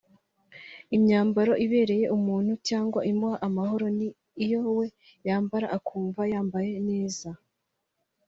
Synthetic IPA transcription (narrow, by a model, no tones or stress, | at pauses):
imɲaːmbaɾo̞ʔiβe̞ːɾe̞je̞ʔumuːn̥hucaːŋɡwaʔimbuhaʔamaɦo̞ɾo̞niː | jo̞we̞ | jaːmbaɾaʔakʰuːɱvajaːmbaje̞ne̞ːza